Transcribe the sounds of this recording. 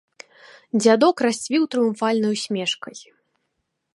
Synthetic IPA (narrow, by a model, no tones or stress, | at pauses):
d͡zʲad̪ɔkrasʲt͡sʲvʲiwt̪ɾɨjuɱfalʲnɐjusʲmʲɛʂkɐj